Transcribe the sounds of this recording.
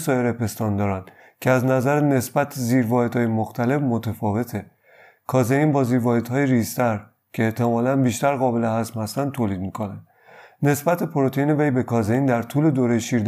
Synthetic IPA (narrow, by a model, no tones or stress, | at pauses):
sɒːjeɾepest̪ɒːnd̪ɒːɾæn | cʰeæznæzæɾene̞sbæt̪ʰziːɾvɒːhed̪̥hɒːjemoxt̪ʰæle̞fmot̪ʰefɒːve̞t̪ʰe | kʰɒːzeiːnbɒːziːɾvɒːhed̪hɒːjeɾist̪ʰæɾ | cʰeːht̪ʰe̞mɒːlænbiːʃt̪æɾɣɒːbe̞lehæzmhæst̪ænd̪t̪ʰːoːliːd̪̚mikʰonænd̪ | ne̞sbæt̪ʰepʰoɾot̪ʰejiːne̞ve̞jbekʰɒːzejiːnd̪æɾt̪ʰuːle̞d̪oːɾejeʃiɾd̪